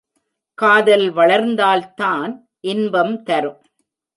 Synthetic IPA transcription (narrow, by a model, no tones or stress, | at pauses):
kaːðɐlʋɐɭɐɾnd̪aːlt̪aːn | ʔɪnbɐmt̪ɐɾɯm